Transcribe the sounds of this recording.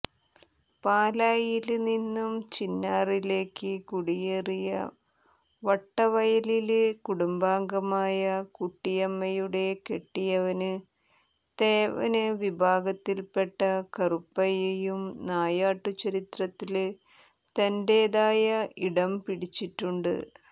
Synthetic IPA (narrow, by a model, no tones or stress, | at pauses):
paːlaːjilninːumt͡ɕinːaːrile̞ːkːɨkuɽijerijɐ̰ | ʋɐʈːɐʋɐjɐlilkuɽumbaːŋɡɐmaːjɐkuʈːijɐmːɐjuɽe̞ke̞ʈːijɐʋɐnɨ | t̪eːʋɐ̰nɨʋibʱaːɡɐt̪ːilpe̞ʈːɐkɐrupːɐjɐjumnaːjaːʈːut͡ɕːɐɾit̪rɐt̪ːil | t̪ɐndeːðaːjɐiɽɐmpiɽit͡ɕːiʈːuɳɖɨ̰